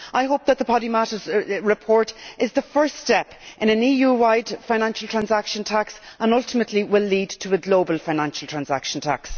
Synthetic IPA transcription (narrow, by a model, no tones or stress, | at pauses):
ʔaɪɦoʊp̚ðət̪̚ðəpʰɑɾimaɾəzɹɪpʰɔɹɾɪzðəfɜ˞stɛpʔɪ̃ñə̃niːjuːwaɪd̥fãɪñãnʃəl̩ˠtʰɹ̥ãnzakʃə̃ntʰaksə̃nʌlˠtɪmətʰˡliwɪlːiːdtʰəəɡloʊbəlˠfãɪ̃nãnʃəl̩ˠtʰɹ̥ãnzakʃə̃n̩tʰa̰ks